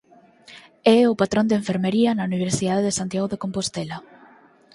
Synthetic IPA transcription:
ɛʊpat̪ɾõnd̪eɱfeɾmeɾiɐnauniβ̞eɾsiðaðeðesant̪jaɣoðekompost̪ɛla

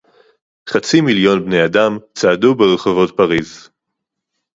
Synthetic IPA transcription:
χat͡similjo̞nbne̞jadamt͡saadubeʁeχovo̞tpaʁiz

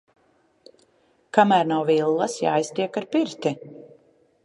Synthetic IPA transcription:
kamæːɾnawvilˠːɐsja̰ːjst̪iɛkaɾpiɾt̪i

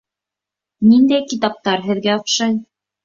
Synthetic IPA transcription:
nind̪æjkit̪ɑp̚t̪ɑɾɦɘ̆ðɡæŏqʃɑj

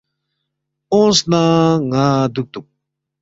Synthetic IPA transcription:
õsnaŋaːd̪uk̚t̪u

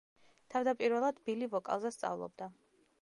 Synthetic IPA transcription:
t̪ʰavd̪apʼiɾvɛlˠad̪bilivɔkʼa̰lˠzɛst̪sʼa̰vlˠɔ̰b̚d̪a

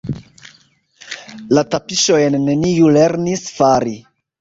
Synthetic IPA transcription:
latapiʃojnːe̞nijule̞ɾnisfaɾi

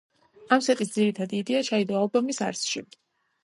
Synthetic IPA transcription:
amsɛt̪ʼisd̪ziɾit̪ʰad̪iːd̪iat͡ʃʰaid̪ɔalˠbɔmisa̰ɾsʃi

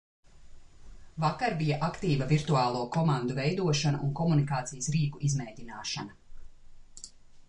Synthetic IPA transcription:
vakaɾbijaʔakt̪iːvɐviɾt̪uaːlˠuɔkɔmand̪uvɛjd̪uɔʃana̰ʔunkɔmunikaːt̪sijəsɾiːkuʔizmɛjd̪ʲinaːʃanɐ

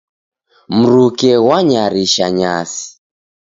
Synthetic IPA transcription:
m̩ɾukɛɣwaɲaɾiʃaɲa̰si̥

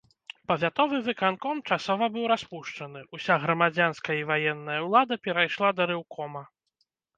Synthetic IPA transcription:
pɐvʲat̪ɔvɨvɨkankɔmt͡ʂasɔvɐbɨwɾaspuʂt͡ʂɐnɨʔusʲaɣɾɐmad͡zʲanskɐjɐivajɛnːɐjɐwlˠad̪ɐpʲɛɾajʂlˠad̪ɐɾɨwkʰɔmɐ

